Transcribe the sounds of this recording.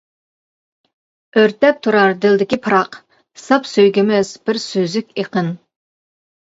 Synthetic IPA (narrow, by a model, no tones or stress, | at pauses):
øɾt̪ɛp̚t̪ʰuɾɑɾd̪ɪld̪ɪkʲipʰɨɾɑq | sɑpsøjɡʲɪmɪzb̥ɪɾsøzykʲeqʰən